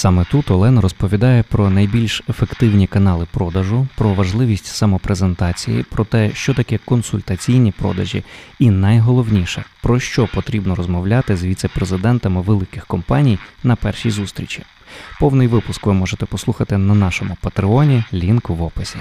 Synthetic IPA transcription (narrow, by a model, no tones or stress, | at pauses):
sɑmɛt̪ut̪ɔlˠɛnɐɾɔspɔʋʲid̪ɑjɛpɾɔnɐjbʲilʲʃefekt̪ɪwnʲikɐnɑlˠɪpɾɔd̪ɐʒʊpɾɔʋɐʒlˠɪʋʲisʲtʲsɐmɔpɾezent̪ɑt͡sʲijḭpɾɔt̪ɛʃt͡ʃɔt̪ɐkɛkɔnsʊlʲt̪ɐt͡sʲijnʲipɾɔ̰d̪ɐʒʲḭinɐjɦɔlˠɔwnʲiʃɛ̰pɾɔʃt͡ʃɔpɔt̪ɾʲibnɔɾɔzmɔwlʲɑt̪ɪzʋʲit̪sɛpɾezɪd̪ɛnt̪ɐmɪʋelˠɪkɪxkɔmpɑnʲijnɐpɛrʃijzust̪ɾʲit͡ʃi | pɔwnɪjʋɪpʊskʋɪmɔʒet̪ɛpɔslˠuxɐt̪ɪnɐnɑʃɔmʊpɐt̪ɾɪɔnʲilʲinkʋːɔpɪsʲi